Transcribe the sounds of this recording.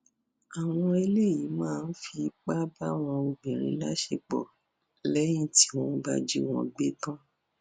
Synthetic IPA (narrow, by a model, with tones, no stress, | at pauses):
a˨w̃ɔ̃˧e˧le˦˨ji˨˦mãː˦˨˧n̩˦fi˧k͡pa˦ba˦w̃ɔ̃˧o˧ɡ͡bĩ˨ɾ̃ḭ̃˨˦la˦ʃe˧k͡pɔ̰˨ | lɛ˦j̃ĩ˦ti̥˦w̃ɔ̃˧˦ba̰˧d͡ʒi˦w̃ɔ̰̃˨˧ɡ͡be˦tã˦